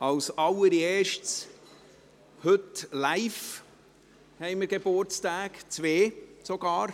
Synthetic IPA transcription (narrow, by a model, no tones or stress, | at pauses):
ɑlsɑləɾieːʃts | hɵtlaɪf | hɛɪməɾɡebʊɾt͡staːkt͡sveːsoɡ̥ɑːɾ